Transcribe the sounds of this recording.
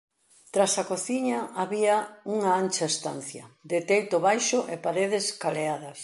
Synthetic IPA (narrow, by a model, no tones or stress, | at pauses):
t̪ɾasɐkoθiɲɐaβiɐuŋɐant͡ʃɐest̪a̰nθjɐd̪ɪt̪ejt̪ʊβajʃʊʔepaɾeð̞ɪskaleaðɐs